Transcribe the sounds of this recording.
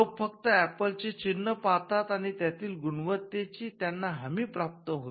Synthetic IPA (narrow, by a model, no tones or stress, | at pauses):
okfəkt̪əæpəlt͡ɕet͡ɕinːəpat̪at̪aɽ̃it̪jat̪iːlɡuɳʋət̪ːet͡ɕiːt̪janːaɦamiːpɾap̚t̪əɦo